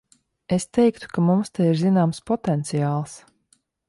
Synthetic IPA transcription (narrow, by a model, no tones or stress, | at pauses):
est̪ɛjkt̪u̥kamumst̪ajiɾzinaːmspɔt̪ɛnt̪sijaːlˠs